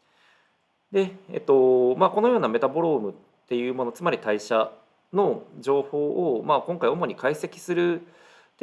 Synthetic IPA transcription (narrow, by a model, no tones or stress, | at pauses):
d̪e̞ḛt̪ːo̞maːko̞no̞joːname̞t̪abo̞ɾo̞ːmɯ̟ | tt̪ːe̞jɯ̟ːmo̞no̞t͡sɨmaɾʲit̪aiɕa | no̞d͡ʑo̞ːho̞ːʔomaːkõ̞ŋkaio̞mo̞ɲ̟ikaise̞kʲi̥sɨɾɯ̟ | t̪